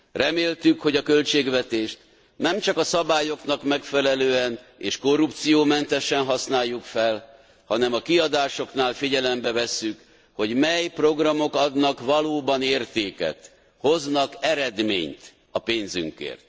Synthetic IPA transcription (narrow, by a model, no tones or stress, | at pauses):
rɛmeːlt̪ykho̞ɟɒkølt͡ʃeːɡʋɛt̪eːʃt̪ | nɛmt͡ʃɒkɒsɒbaːjo̞knɒkmɛkfɛlɛløːɛneːʃko̞rːup̚t̪sijoːmɛnt̪ɛʃɛnɦɒsnaːjːukfɛl | hɒnɛmɒkiɒd̪aːʃo̞kn̪aːlfiɟɛlɛmbɛvɛsːyk | ho̞ɟmɛjpro̞ɡrɒmo̞kɒd̪nɒkvɒloːbɒneːrt̪eːkɛ̰t̪ | ho̞znɒkɛɾɛd̪mḛːɲt̪ | ɒpeːnzy̰ŋkḛːrt̪̚